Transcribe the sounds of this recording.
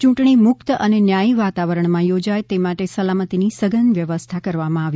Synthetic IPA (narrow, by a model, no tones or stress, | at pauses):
t͡ʃũʈɳ̃imʊkt̪əʔənenjaiʋat̪aʋəɾəɳmãjod͡ʒajt̪emaʈesəlamət̪inisəɡənʋjəʋəst̪ʰakəɾʋamãaʋji